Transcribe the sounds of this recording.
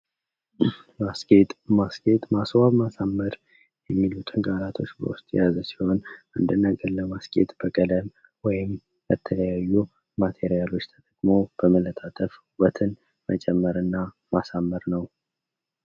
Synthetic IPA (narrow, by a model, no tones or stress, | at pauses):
maskʼe̞t̪ʼmaske̞t̪ʼmaswaβmasamːəɾ | jɛmːilut̪ʰʼɨŋɡʼaɾat̪ʰo̞t͡ʃːbə̰wʊst̪ʼjazəsi̥ho̞nʔɨnd̪ɨnːəɡʼəɾləmaskʼe̞̰t̪ʼb̥əkʼələm | wɔjɪm | bət̪ʰələjajːu | mat̪ʰe̞ɾijalo̞t͡ʃːt̪ʰət̪ʼəkʼmo̞b̥əmələt̪ʰʼat̪ʼəf | wət̪ʰɨn | mət͡ʃʼɛmːəɾɨnːa | masamːəɾnəw